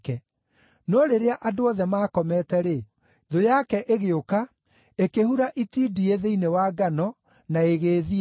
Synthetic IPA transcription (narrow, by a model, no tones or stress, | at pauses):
kɛ | nɔɾeɾeaʔadoɔðɛmaːkɔmɛːtɛɾe | ðojakɛʔeɣeoka | ekehuɾaʔitiːdieðeinewaɡanɔ | naeɣeːði